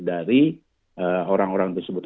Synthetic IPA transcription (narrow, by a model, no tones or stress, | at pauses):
daɾi | əoɾaŋoɾaŋt̪ərsəbʊt̪